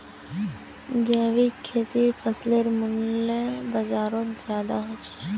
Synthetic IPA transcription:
d͡ʒɛːʋikʰːeːt̪ipʰəsleɾmʊnlebəd͡ʒaːɾõt̪zjaːd̪a̰ɦot͡ʃʰe̥

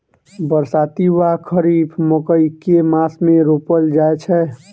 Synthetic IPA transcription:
bəɾsaːt̪iwakʰəɾiːbʰməkəikemaːsmẽɾopəld͡ʒaet͡ʃʰɛ

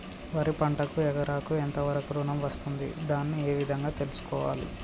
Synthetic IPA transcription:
ʋɐɾipɐɳʈɐkuɛɡɐɾaːkuent̪ɐʋɐɾɐkuɾuːnɐmʋɐst̪und̪ḭd̪aːnːieːʋid̪ʱɐŋɡaːt̪e̞lusu̥kɔːʋa̰ːlḭ

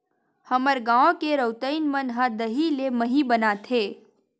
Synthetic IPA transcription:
həməɾɡãːõkeɾəwt̪əinmənɦə̃d̪əɦileməɦibənat̪ʰeː

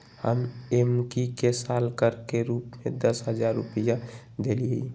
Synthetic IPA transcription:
hə̰memkikesalkəɾkeɾuːpmed̪əsɦəd͡ʒaɾːupija | d̪elii

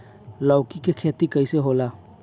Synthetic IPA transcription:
ləʊkikekʰeːt̪ikəiseɦola

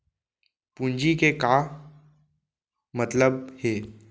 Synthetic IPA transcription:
pũnd͡ʒikekaː | mɐt̪ləbheː

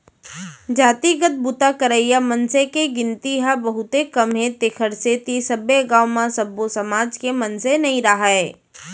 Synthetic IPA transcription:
d͡ʒaːt̪iɡət̪̚bʊt̪akəɾəijamənsekeɡɪ̃nt̪iɦabɐɦʊt̪ekɐmɦẽt̪eːkʰəɾset̪isɐbeɡaːʊmãsɐbːosɐmaːd͡ʒkemɐnsenɐɦĩɾaɦae

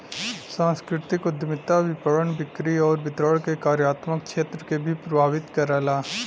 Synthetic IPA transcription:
sãːskɾɪt̪ɪkʊd̪ʱmɪt̪aʋɪpəɾənbɪkɾiɔːɾbɪt̪ɾəɽkekaːɾjaːt̪mək̚ʃeːt̪ɾəkebʱipɾɐbʱaːʋɪt̪kɐɾaːlaː

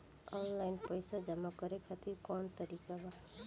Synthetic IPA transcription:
ɔːnlaɪnpəɪsad͡ʒəmakəɾekʰat̪iɾkɔnt̪əɾiːkaba

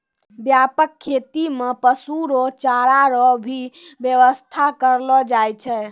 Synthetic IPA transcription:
bjapəkʰːet̪imepəsuɾot͡ʃaɾaɾɔbʱibjeʋəst̪ʰakəɾlɔd͡ʒajt͡ʃʰɛ

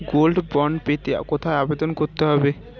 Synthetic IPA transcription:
ɡolɖbɔɳɖpet̪ea̰kot̪ʰaeabed̪onkoɾt̪eɦɔbe

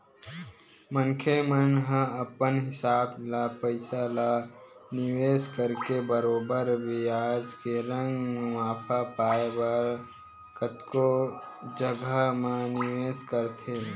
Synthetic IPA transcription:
mənkʰemənɦãəpənɦɪsaːblapəɪsalanɪʋeːskəɾkebəɾoːbəɾbʱiaːd͡ʒkeɾə̃ŋɡmaːpʰapaːebəɾ | kət̪kod͡ʒəɡəmãnɪʋeːskəɾt̪ʰe

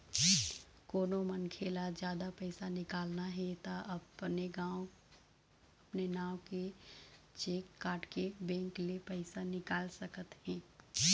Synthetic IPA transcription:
koːnomɐnkʰeːlad͡ʒjaːd̪apɛɪsanɪkaːlnaɦɛt̪aʔɐbneɡãːw | ɐpnenaːõke | t͡ʃeːkːaːʈkebɛ̃ːŋklepɛɪsanɪkaːlsɐkət̪ɦɛ̃ː

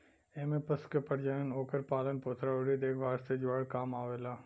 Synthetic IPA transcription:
eːmepəskepɐɽd͡ʒajənoːkəɾpaːlənpoːt̪ʰɾaoɽid̪eːkʰbʱaːɾt̪ed͡ʒʋaːɽkaːmaːʋeːlaː

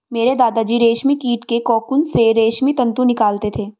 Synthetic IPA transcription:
meːɾed̪aːd̪ad͡ʒiːɾeːʃmikiːʈkekɔːkʊnseɾeːʃmit̪ɐ̃nt̪ũnɪkaːlt̪et̪ʰeː

